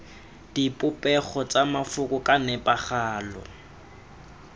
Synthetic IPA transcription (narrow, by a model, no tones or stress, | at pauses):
d̥ipʼʊpʼɛχɔt͡sʼamafʊkʼʊkʼanɛpʼaχaːlɔ̰